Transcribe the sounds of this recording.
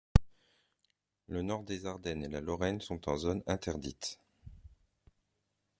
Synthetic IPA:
lənɔʁd̪ezaʁd̪ɛnelalɔʁɛnsɔ̃t̪ɑ̃zonɛ̃t̪ɛʁd̪it̪

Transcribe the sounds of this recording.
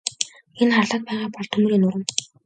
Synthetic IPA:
enχarɮə̆k̪̚pæːʁaːpɔɮt̪ʰɵm̆ɾiːnʊɾə̆m

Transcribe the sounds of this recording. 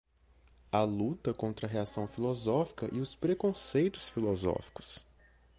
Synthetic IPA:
ɐlut̪ɐkõnt̪ɾɐɦeasɐ̃w̃filɔzɔfi̥kɐʔiʊspɾekõsejt̪ʊ̥sfilɔzɔ̰fi̥kʊ̥s

